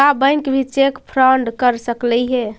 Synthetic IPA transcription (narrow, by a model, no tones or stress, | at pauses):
abəjnkebʱit͡ʃekpʰɾəɳɖkəɾsəklɛjɦẽ